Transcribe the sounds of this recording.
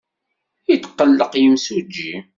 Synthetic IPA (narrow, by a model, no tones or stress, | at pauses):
it̪qːəlːəqjəmsud͡ʒːḭ